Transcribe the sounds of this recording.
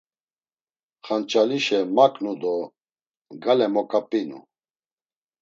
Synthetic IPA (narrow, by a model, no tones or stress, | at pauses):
χant͡ʃʼaliʃɛmakʼnud̪ɔ | ɡalɛmɔkʼapʼinṵ